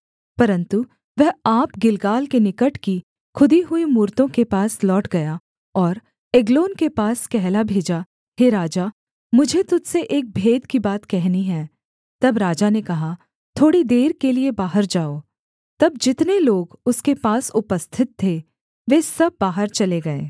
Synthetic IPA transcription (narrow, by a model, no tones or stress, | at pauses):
pɐɾə̃nt̪u | ʋɛɦaːpɡɪlɡaːlkenɪkəʈki | kʰʊd̪iɦʊimuːɾt̪õkepaːslɔːʈɡɐja | ɔːɾ | eɡloːnkepaːskɛɦlabʱeːd͡ʒa | heɾaːd͡ʒa | mʊd͡ʒʱet̪ʊd͡ʒ̪seʔeːk̚bʱeːd̪kibaːt̪kɛɦniɦɛ̃ː | t̪ɐbɾaːd͡ʒanekɐɦa | t̪ʰoːɽid̪eːɾkeliebaːɦəɾd͡ʒaːoː | t̪ɐbd͡ʒɪt̪neloːɡʊskepaːsʊpəst̪ʰɪt̪ʰːe | ʋeːsɐb̚ːaːɦəɾt͡ʃɐleɡɐḛː